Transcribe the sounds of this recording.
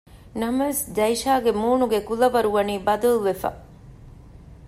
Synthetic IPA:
nɐmɐʋesd̪ɐjʃaːɡemuːnuɡekulɐʋɐɾuʋɐniːbɐd̪ɐluʋefɐ̰

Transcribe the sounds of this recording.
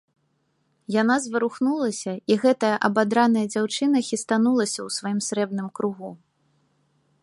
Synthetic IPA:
jan̪azvɐɾuxnulˠɐsʲɐiɣɛt̪ɐjɐʔɐbad̪ɾanɐjɐd͡zʲawt͡ʂɨnɐxʲist̪anulˠɐsʲɐwsvajimsɾɛbnɨmkɾuɣu

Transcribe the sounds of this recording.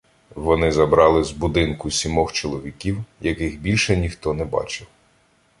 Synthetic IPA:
ʋɔnɪzɐbɾɑlˠɪzbʊd̪ɪnkʊsʲimɔxt͡ʃɔlˠɔʋʲikʲiwjɐkɪxbʲilʲʃɛnʲixt̪ɔnɛbɑ̰t͡ʃɪw

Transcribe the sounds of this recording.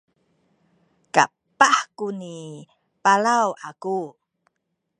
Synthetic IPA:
ka̰ | paħkuni | palawʔaku

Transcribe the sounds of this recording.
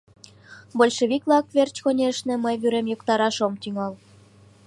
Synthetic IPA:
bolʲʃeβiklɑk̚βert͡ɕkonʲeʃnĕməjβyɾemjokt̪ɑɾɑʃomt̪yŋɑl

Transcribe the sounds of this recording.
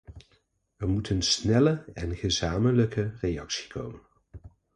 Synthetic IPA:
ʋərmutʰənsnɛləɛnχəzaːmənləkərejɑksi̥kʰo̰wmən

